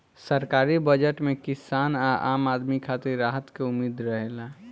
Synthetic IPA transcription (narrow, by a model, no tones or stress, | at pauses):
səɾkaːɾibəd͡ʒəʈmẽkɪsaːnaʔaːmaːd̪mikʰat̪iɾːaːɦət̪keʊmiːd̪ɾəɦela